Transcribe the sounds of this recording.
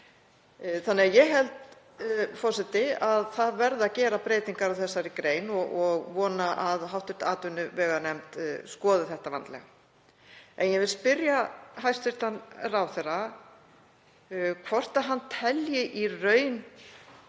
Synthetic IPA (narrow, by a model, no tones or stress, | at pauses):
θanːɪajɛɦɛlt̪ | fɔrsɛt̪ɪaðθaðvɛɾðacɛːɾapɾeːjt̪iŋkaɾawθɛsːaɾɪkɾeːjnɔɣɔɣvɔːnaʔaðɦawht̪ʏɾ̥t̪aːt̪ʏnːʏvɛːɣanɛmt̪skɔːðʏθɛht̪ava̰nt̪lɛ̰ɣa | ɛnjɛvɪlspɪɾjaɦajst̪ɪɾ̥t̪anrawθɛra | kʰv̥ɔr̥t̪aɦanːt̪ʰɛljɪʔirœːɥn